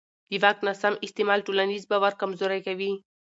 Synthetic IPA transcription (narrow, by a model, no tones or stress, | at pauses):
d̪̥əwak̚nasamɪst̪emɑlʈolanizbawaɾkamzoɾajkawi